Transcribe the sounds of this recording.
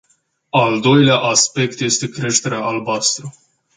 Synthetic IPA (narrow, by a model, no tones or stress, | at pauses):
ald̪o̞jleaʔaspe̞k̚t̪je̞st̪e̞kɾe̞ʃt̪e̞ɾeaʔalbast̪ɾu